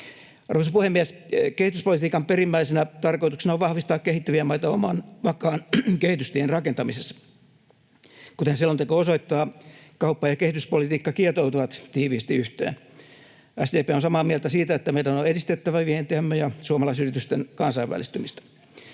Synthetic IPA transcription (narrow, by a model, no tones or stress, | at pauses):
ɑrʋosɑpuhemːieskehit̪yspolit̪iːkɑmperimːæisenæt̪ɑrkoit̪uksenɑoʋʋɑhʋist̪ɑːkkehit̪ːyʋiæmɑit̪ɑomɑnʋɑkɑːnkehit̪yst̪ienrɑkent̪ɑmisesːɑ̥ | kut̪ehnsilːont̪ekoːosoit̪ːɑːkɑupːɑjɑkehit̪yspolit̪iːkːɑkiet̪owt̪uʋɑt̪t̪iːʋiːst̪iyht̪ḛːn | æsd̪eːpeːonsɑmɑːmielt̪æsiːt̪æet̪ːæmeilænoedist̪et̪ːæʋæʋihent̪eæmːøjɑsuomɑlɑisyrit̪yst̪enkɑnsɑiʋːæ̰list̪ymist̪ɑ̥